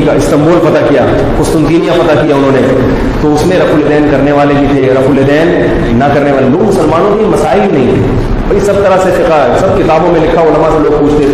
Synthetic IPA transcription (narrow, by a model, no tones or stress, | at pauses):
ikaɪst̪ɐ̃mboːlfɐt̪akijaː | kʊst̪ʊmt̪iːnijãfɐt̪akijaʊnɦõːne | t̪oʊsmẽɾɐfulɪd̪ɛːnkɐɾneʋaːlebʱit̪ʰeɾɐfulɪd̪ɛːnː | ɐkɐɾneʋaːleloːɡmʊsəlmaːnõk̪imɐsaːɪlbʱinɐɦĩt̪ʰe | bɐisɐb̚t̪ɐɾasefɪka | sɐb̚kɪt̪aːbõmẽlɪkʰaʊlɐmãseloːɡ̚puːt͡ʃʰt̪et̪ʰ